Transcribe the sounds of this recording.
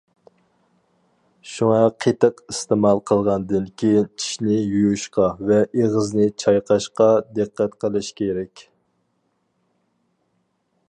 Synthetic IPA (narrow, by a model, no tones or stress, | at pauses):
ʃuŋɑqʰet̪əqist̪emɑlˠqʰəlˠʁɑnd̪ɨnkʲʰijint͡ʃʰi̥ʃnɪjujuʃqɑvɛʔeʁəznɪt͡ʃʰɑjqʰɑʃqɑd̪ɨqːæt̪qʰəlˠɨʃkʲʰeɾɛkʲ